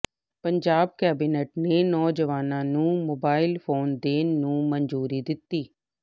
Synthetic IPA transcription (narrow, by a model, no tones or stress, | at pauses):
pəɲd͡ʒaːb̚kɛːbiːneːʈneːnɔːd͡ʒəʋaːnãːnũːmoːbaːɪlpʰoːnd̪eːnːũːməɲd͡ʒuːɾiːd̪ɪt̪ːiː